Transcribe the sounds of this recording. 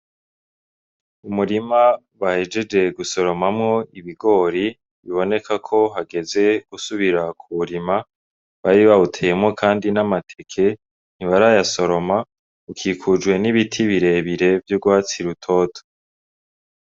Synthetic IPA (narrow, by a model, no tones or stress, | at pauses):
umuɾima | wahe̞d͡ʒe̞d͡ʒe̞ɡuso̞ɾo̞mamŋo̞iβiɡo̞ɾi | βiβo̞ne̞kʰakʰo̞ɦaɡe̞ze̞ɡ̥usuβiɾakʰuβuɾima | βaɾiβautʰejemŋo̞kʰaːndinamatʰekʰe̞ | n̥iβaɾajaso̞ɾo̞ma | ukʰiːkʰud͡ʒwe̞niβitʰiβiɾe̞βiɾe̞vjuɡwaːt͡siɾutʰo̞ːtʰo̥